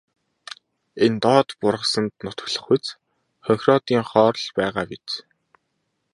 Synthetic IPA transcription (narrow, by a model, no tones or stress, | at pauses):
ent̪ɔːt̪pʊrʁə̆sə̆nt̪nʊt̪ə̆kɮə̆χut͡s | χœxʲrɔt̪iːŋχɔːɾɮpæːʁaːpit͡s